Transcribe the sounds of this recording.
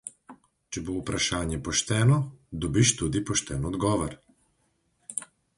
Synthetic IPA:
t͡ʃɛboupɾaʃaːnjɛpɔʃt̪ɛːnɔd̪ɔbiʃt̪ud̪ipɔʃt̪ɛːnɔd̪ɡɔːʋɔɾ

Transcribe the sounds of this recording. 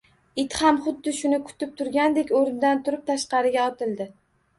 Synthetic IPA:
ɪt̪hamχʊd̪ːɪʃʊnɪkʰʊ̥t̪ʰɪp̚t̪ʰʊɾɡʲand̪e̞kʲoɾɪnd̪ant̪ʰʊɾɪp̚t̪ʰaʃqɑɾɪɡʲaɒt̪ʰɪlˠd̪ɪ

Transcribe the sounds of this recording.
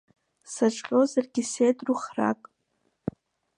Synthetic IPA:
saʈ͡ʂʼqʲʼozarɡʲisejtʼruχra̰kʼ

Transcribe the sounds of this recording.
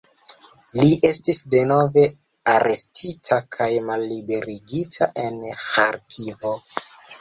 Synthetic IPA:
liʔe̞stisde̞no̞ve̞ | aɾe̞stʰitʰakʰajmalːibe̞ɾiɡitʰaʔe̞nxaɾkʰivo

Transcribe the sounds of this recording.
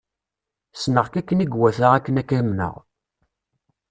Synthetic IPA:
snəʁkækːəniɡwæθəʁækːənækːɾəmnə̰ʁ

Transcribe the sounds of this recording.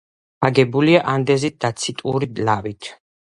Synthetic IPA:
aɡɛbuliaʔand̪ɛzit̪̚d̪̥at̪sʰit̪ʼṵɾilavit̪ʰ

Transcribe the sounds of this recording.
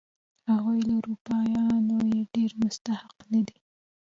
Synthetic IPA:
haɣujlauɾupɑjɑnojeɖeɾmʊst̪ahɪqnad̪i

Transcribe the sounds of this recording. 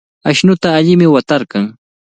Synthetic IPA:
aʃnʊt̪aːʎɪmɪwat̪aɾkɑŋ

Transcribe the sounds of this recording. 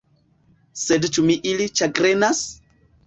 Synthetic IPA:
sedt͡ʃumiʔilit͡ʃaɡɾenas

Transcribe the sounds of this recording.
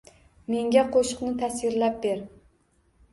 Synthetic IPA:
me̞ŋɡʲaqʰoʃʊ̥qnɪt̪ʰasɪɾlap̚beɾ

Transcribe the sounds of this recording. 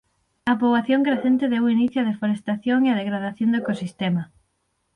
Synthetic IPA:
ɐpɾoβaθjõŋkɾeθent̪eðewiniθjoaðefoɾest̪aθjoŋeɐðeɣɾaðaθjond̪oekosist̪emɐ

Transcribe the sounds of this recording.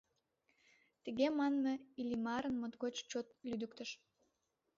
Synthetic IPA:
t̪əɣemɑnmeilʲimɑɾənmot̪ɣot͡ɕt͡ɕot̪lyd̪əkt̪əʃ

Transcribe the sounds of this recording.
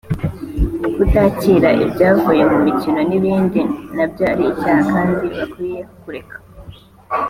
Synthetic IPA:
kutaciɾaʔḭbɟaːkoje̞mumicino̞niβiːndinabɟoaɾiːcaːhakaːndiβakwijekuɾe̞kḁ

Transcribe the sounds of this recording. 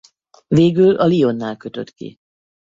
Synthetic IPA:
veːɡylɒlio̞nːaːlkø̞t̪ø̞̰t̪kḭ

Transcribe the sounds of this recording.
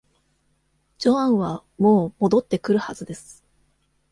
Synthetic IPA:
d͡ʑo̞ãɰ̃βamo̞ːmo̞d̪o̞t̪ːe̞kɯ̟ɾɯ̟hazɨd̪e̞sɨ̥

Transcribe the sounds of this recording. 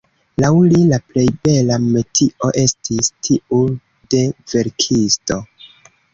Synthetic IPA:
lawlilaple̞jbe̞lametʰiʔo̞ʔe̞stʰistʰiu | de̞ve̞ɾkʰisto̞

